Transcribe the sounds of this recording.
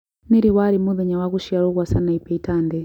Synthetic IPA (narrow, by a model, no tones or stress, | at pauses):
niɾiwaɾimuðɛɲawakuʃiaɺukwasanaipɛitaːndɛ